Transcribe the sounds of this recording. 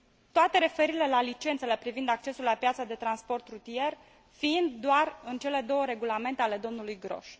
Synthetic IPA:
t̪oat̪e̞ɾe̞fe̞ɾiile̞lalit͡ʃe̞nt̪se̞le̞pɾivind̪ak̚t͡ʃe̞sulapjat̪sad̪e̞t̪ɾanspo̞rt̪rut̪ije̞r | fiind̪d̪oarɨnt͡ʃe̞le̞d̪o̞wəɾe̞ɡulame̞nt̪e̞ale̞d̪o̞mnulujɡɾo̞̰ʃ

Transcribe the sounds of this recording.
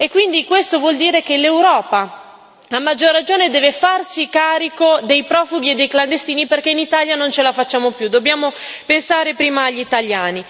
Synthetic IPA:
ekːwind̪ikwest̪ovwɔld̪iːɾek̟elewɾɔːpa | amːad͡ʒːorːad͡ʒoːned̪ɛːvefarsikaːɾikod̪ejpɾɔːfuɡ̟ied̪ːejkland̪est̪iːniperkeinit̪aːljanont͡ʃelafat͡ʃːaːmopjud̪objaːmopensaːɾepɾiːmaːʎːit̪aʎjaːni

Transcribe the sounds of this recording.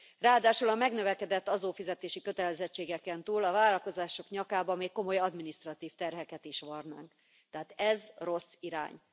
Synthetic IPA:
raːd̪aːʃulɒmɛɡnø̞vɛkɛd̪ɛt̪ːɒzoːfizɛt̪eːʃikø̞t̪ɛlɛzɛt͡ʃːeːɡɛkɛnt̪uːlɒvaːlɒlko̞zaːʃo̞kɲɒkaːbɒmeːkːo̞mo̞jɒd̪minist̪rɒt̪iːft̪ɛrɦɛkɛt̪iʃʋɒrna̰ːŋk | t̪ɛɦaːt̪ɛzro̞sːiɾa̰ːɲ

